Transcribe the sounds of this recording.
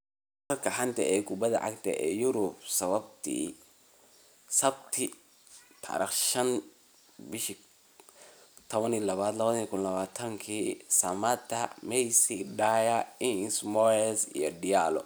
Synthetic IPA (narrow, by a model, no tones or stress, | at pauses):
ɾɐrkʰɐħɐnt̪ʰɐʔɛːkʰʊbɐðɐ̰ʕɑ̰kt̪ʰɐ̰ʔɛ̰ːjʊɾʊbsɐβɐb̚t̪ʰḭː | sɐbt̪ʰɪ | t̪ʰa̰ɾɪχʃɐn | bɪʃ | t̪ʰɔβɐnilɐβaːd̪lɐβɐðikʰʊnlɐβaːt̪ʰɐŋkʰiːsɐmɐt̪ʰːɐmɛjsiɖajaɪnnsmɔɛsḭjɔɖɪjalɔ̰